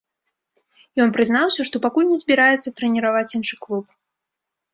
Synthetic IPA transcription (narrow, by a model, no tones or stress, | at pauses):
jɔnpɾɨznawsʲɐʂt̪ɔpakulʲnʲɛzʲbʲiɾajɛt̪sːɐt̪ɾɛnʲiɾavat͡sʲinʂɨklˠup